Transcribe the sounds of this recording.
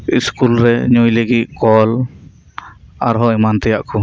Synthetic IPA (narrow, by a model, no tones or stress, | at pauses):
iskulɾɛɲujləɡit̪̚kɔl | aɾɦɔɛmant̪ɛjaʔkɔ